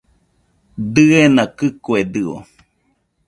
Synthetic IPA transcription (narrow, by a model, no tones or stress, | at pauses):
d̪ɨenãkɨkued̪ɨo̰